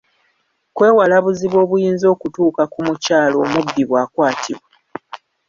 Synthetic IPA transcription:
kwe̞ːwalaβuziβwo̞ːβujiːnzo̞ːkutuːkakumucaːlo̞ːmubːiβwaːkwaːtʰḭβwe

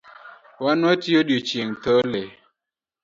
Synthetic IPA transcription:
wanwatiodjot͡ʃeŋtɔle

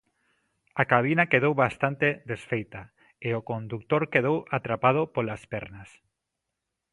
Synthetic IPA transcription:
akaβ̞inakeðowβast̪ant̪eðesfejt̪a | eokond̪uk̚t̪oɾkeðowat̪ɾapað̞opolaspɛɾnas

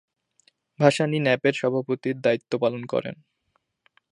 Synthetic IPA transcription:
bʱaʃaninɛpeɾʃɔbʱapot̪iɾd̪ait̪ːopalonkɔ̰ɾḛn

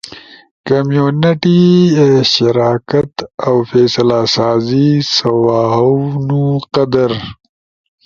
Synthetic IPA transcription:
kɐmjunɪʈi | ʃɪɾaːkat̪awfeːsɐlasaːzisɐwaːɦawnuqɐd̪aɾ

